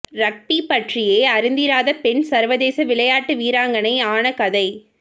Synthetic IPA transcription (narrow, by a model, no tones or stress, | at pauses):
ɾɐk̚ʈipɐʈrɪjeːɐɾɪnd̪ɪɾaːðɐpɛnsɐɾʋɐðeːsɐʋɪɭɐjaːʈːɯʋiːɾaːŋɡɐnɐɪaːnɐkɐðɐɪ